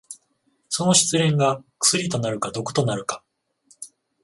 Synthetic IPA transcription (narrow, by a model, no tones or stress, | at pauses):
so̞no̞ɕi̥t͡sɨɾẽ̞ŋɡakɯ̟̥sɨɾʲit̪o̞naɾɯ̟kad̪o̞ko̥t̪o̞naɾɯ̟kḁ